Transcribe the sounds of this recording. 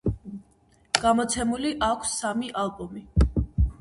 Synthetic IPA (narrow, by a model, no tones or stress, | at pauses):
ɡ̥amɔt̪sʰɛmuliʔakʷʰsːamiʔalˠbɔmi